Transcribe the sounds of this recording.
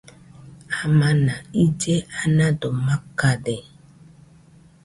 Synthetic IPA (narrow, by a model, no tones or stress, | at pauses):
amãnaid͡ʒeanãdɔmakadɛ